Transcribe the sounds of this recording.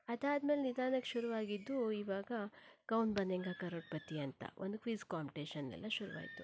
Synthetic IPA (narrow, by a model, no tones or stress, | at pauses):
ɐd̪aːd̪me̞ːlenid̪aːnɐkʃuɾuʋaːɡid̪ːuiʋaːɡɐkɐwnbɐnd̪ɛŋɡaːkɐɾoʈ̚pɐt̪iɐnt̪ɐ̰ʔond̪ukʋiːzkaːmpiʈeːʃɐnːɛ̰lːɐʃuɾuʋa̰ːɡit̪u